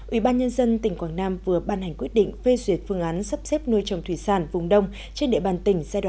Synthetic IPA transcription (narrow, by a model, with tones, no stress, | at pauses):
ʔwḭ˧˩ɓaː˧nɲə˧nzə˧nt̪ï˨˧˩ŋ̟kwaː˧˩ŋnaː˧mvɨ˨˩əɓaː˧nha˨˩jŋ̟kwi˦˥ət̚ɗḭ˧˨ŋ̟fe˧zwi˨˩ət̚fɨ˧əŋʔaː˨˦nsə˦˥p̚sɛ˦˥p̚nu˧əjt͡ɕə˨˩wŋ͡mt̪ʰwi˧˩saː˧˩nvʊ˨˩ŋ͡mɗə˧wŋ͡m | t͡ɕe˧nɗḛ˧˨ɓaː˨˩nt̪ï˧˩ŋ̟zaː˧jɗw̰a˧˨